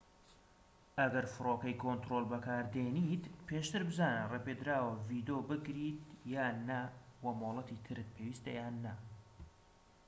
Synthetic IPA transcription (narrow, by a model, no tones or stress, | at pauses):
ɐɡɐɾfɨɾokɐjkʰont̪ɾolˠbɐkʰaːɾd̪enit̪pʰeʃt̪ɨɾbɨzaːnərepeːd̪ɾaːwɐvid̪oːbɨɡɾiːt̪jaːnːɐwɐmoːlˠɐt̪it̪ʰɨɾɨt̪̚pʰewiːst̪ɐjaːnːɐ